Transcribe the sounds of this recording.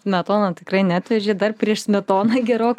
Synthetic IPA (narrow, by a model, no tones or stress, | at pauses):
smʲɛt̪oːnɐt̪ʲɪkrɐɪnʲæːt̪ʲʋʲɛʒʲeːd̪ɐrpʲrʲiɛʃsʲmʲɛt̪oːnɐɡʲɛɾoːk